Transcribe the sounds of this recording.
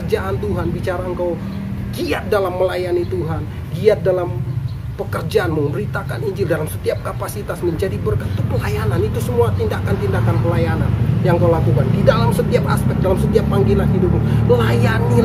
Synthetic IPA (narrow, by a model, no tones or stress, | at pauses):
rd͡ʒaʔant̪uɦanbit͡ʃaɾaəŋkaw | ɡiat̪̚dalamːəlajanit̪uɦan | ɡiat̪̚dalam | pəkərd͡ʒaʔanməmbəɾit̪aka̰niɲd͡ʒɪldalamsə̥t̪iap̚kapasit̪asməɲd͡ʒadibərkat̪ːupəlajananit̪usəmuat̪indakant̪indakanpəlajana̰njaŋkawlakukandidalamsət̪iapa̰spɛk̚dalamsət̪iapːaŋɡilanɦidup̚ɲuməlajani